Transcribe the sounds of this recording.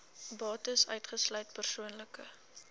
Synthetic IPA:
bɑːtəsœɥtχəslœɥt̚pərsuənləkə̰

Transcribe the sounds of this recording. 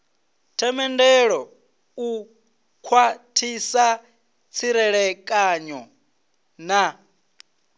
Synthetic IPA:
tʰɛmɛndɛɺɔ | u | kʰwatʰisa | t͡sʰiɾɛɺɛkʼaɲɔ | na

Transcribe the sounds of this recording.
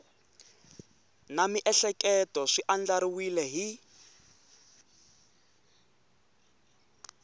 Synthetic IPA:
namiʔɛɬɛkɛtɔʂiʔand͡ɮaɾiwilɛɦi

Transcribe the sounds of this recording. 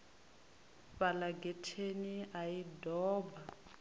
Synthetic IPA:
ɸalaɡɛtʰeniajidɔːba

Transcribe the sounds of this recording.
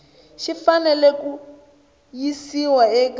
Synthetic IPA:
ʃifanɛlɛku | jisiwaɛk

